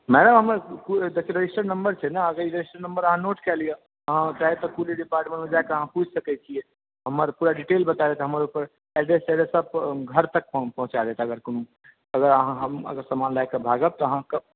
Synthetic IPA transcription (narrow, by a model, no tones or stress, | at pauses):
mɛɽəmɦəmkud̪ekʰeɾed͡ʒisʈəɾnəmbəɾt͡ʃʰɛnaəɡəɾiɾed͡ʒisʈəɾnəmbəɾəɦãnoːʈkɛlije | əɦãt͡ʃaɦet̪ɔkuliɖipaːɾʈmẽɳʈmẽd͡ʒaekeəɦãpud͡ʒʱsəkɛt͡ʃʰiɛ | ɦəməɾpuːɾaɖiʈeːlbət̪ad̪et̪ɦəməɾupəɾ | ɛɖɾest͡ʃɛɖesəb̚ɡʱəɾt̪ək̚pɔ̃ɦʊ̃t͡ʃad̪et̪eəɡəɾkːnũ | əɡəɾəɦãɦəmə̰ɡəɾsəmaːnlajkebʱaɡəb̚t̪ɔəɦãkəb̚